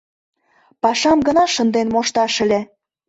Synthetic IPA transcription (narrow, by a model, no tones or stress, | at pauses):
pɑʃɑmɡə̆nɑʃə̆nd̪enmoʃt̪ɑʃə̆lʲe